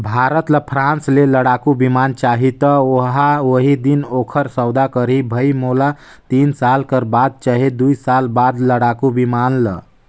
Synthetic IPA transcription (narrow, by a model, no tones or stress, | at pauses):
bʱaɾət̪ləpʰɾãnsleləɽakubimant͡ʃaɦit̪əoɦaoɦid̪inokʰəɾsəwd̪akəɾibʱəjmola | t̪insalkəɾbad̪̚t͡ʃaɦed̪ujsalbad̪ləɽakubimanlə